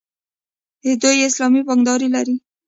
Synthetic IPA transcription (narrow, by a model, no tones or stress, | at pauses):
hɪd̪ujɪslɑmibɑŋd̪ɑɾilaɾi